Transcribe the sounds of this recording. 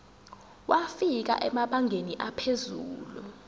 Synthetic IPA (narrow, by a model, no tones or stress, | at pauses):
wafik̬a̰ʔɛmaɓaŋʱeniʔapʰezuːlu